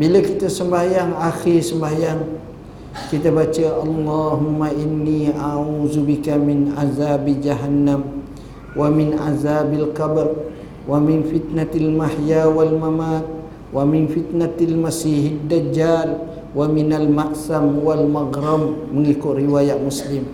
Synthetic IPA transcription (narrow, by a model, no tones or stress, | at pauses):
biləkit̪asəmbajaŋaxɪsəmbajaŋ | kit̪abat͡ʃəʔɑlˤːɑɦumːaʔinːiaʕuzubikamɪnʔazabd͡ʒaɦanːam | wamɪnʔa̰zabalkabr | wamɪnfit̪nat̪almahjawalmamat̪̚ | wamɪnfit̪nat̪almasiɦad̪ːad͡ʒaːl | waminalmaʔsamwalmaɡɾamːəŋikʊʔ̪riwajaʔ̚muslɪm